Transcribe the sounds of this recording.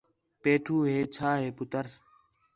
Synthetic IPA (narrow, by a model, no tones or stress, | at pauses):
peːʈʰuːɦeːt͡ʃʰaːɦeːpʊt̪əɾ